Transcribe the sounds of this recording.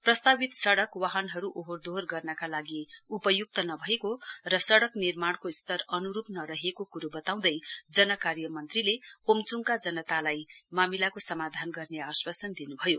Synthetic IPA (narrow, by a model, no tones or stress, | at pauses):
prʌst̪abit̪sʌɽʌkwaɦʌnɦʌɾuʔoɦord̪ʱorɡʌrnʌkalaɡiupʌjuk̚t̪ʌnʌbʱʌekorʌsʌɽʌknirmaɽ̃koist̪ʌrʌnuɾupnʌɾʌɦekokuɾobʌt̪aw̃d̪ʌjd͡zʌnʌkarjʌmʌnt̪rilepomt͡suŋkad͡zʌnʌt̪alajmamilakosʌmad̪ʱanɡʌrneaswasʌnd̪inubʱʌjo